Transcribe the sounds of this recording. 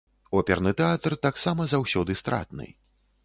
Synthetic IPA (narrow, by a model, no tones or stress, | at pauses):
ɔpʲɛrnɨt̪ɛat̪rt̪aksamɐzawsʲɔd̪ɨst̪ɾa̰t̪nɨ̰